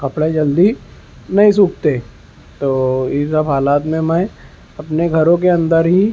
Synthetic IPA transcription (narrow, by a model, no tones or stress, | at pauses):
kɐpɽed͡ʒɐld̪i | nɐɦĩs̬uːkʰt̪e | t̪oːjesɐbɦaːlaːt̪mẽmɛ̃ | ɐpneɡʱɐɾõkeɐ̃nd̪əɾɦi